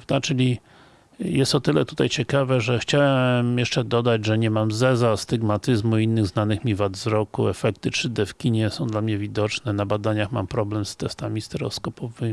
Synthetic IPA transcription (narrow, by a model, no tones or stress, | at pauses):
avd̪at͡ʂɘlʲi | jɛst̪ɔt̪ɘlɛt̪ut̪ajt͡ɕɛkavɛʐɛxt͡ɕawɛmjɛʂt͡ʂɛd̪ɔd̪ad͡ʑʐɛɲɛmamzɛzast̪iɡmat̪ɘzmuiinːɘɣznanɘxmʲivad̪zɾɔkṵɛfɛk̚t̪ɘtʂɘd̪ɛfkʲiɲɛsɔ̃w̃d̪lamɲɛvʲid̪ɔt͡ʂnɛnabad̪aɲaxma̰mpɾɔblɛmst̪ɛst̪amʲist̪ɛɾɔ̰skɔpɔvɘmi